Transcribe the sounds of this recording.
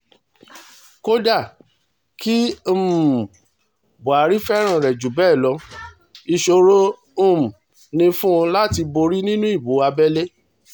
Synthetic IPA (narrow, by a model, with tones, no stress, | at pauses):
ko˦da˦˨ | ki˦˨ | bu˨a˨˦ɾi˦fɛ˦ɾ̃ã˦˨ɾɛ˨d͡ʒu˨˦bɛː˦˨lɔ˨˧ | i˧ʃo˧ɾõ˦˨ | m˨ | nĩ˧fũ˦˧la˦ti˧bo˧ɾi˦nĩ˦nũ˦i˦˨bo˨˦a˧bɛ˦le˦